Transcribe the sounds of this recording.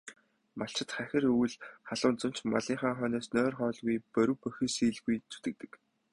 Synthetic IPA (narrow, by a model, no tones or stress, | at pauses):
maɬt͡ɕɪ̆t̪χæxʲɪ̆ruwɘ̆ɮχaɮʊːnt͡sʊ̆n̥t͡ɕma̰ɮiːŋχaːχœːnɔːsnœːrχɔːɮɣujpœɾʲɘ̆wpœxʲiːsiːɮɣujt͡sʰu̥t̪ɘ̆k̚t̪ɘ̥̆k